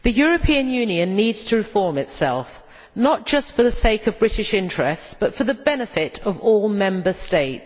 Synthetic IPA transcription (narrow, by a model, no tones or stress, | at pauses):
ðəjɔɹəpʰiə̃njʉːniə̃nːiːdz̥tʰəɹɪfɔɹmɪtsɛ̰lˠf | nəʔ̚d̥ʒ̥ʌstfəðəseɪkəvbɹɪtɪʃɪ̃nt͡ʃɹ̥ɛstsb̥ʌtfəðəbɛnɪfɪtəvɔːlˠmɛ̃mbəsteɪts